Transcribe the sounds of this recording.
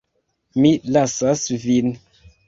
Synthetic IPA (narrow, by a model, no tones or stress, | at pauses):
miʔlasasvin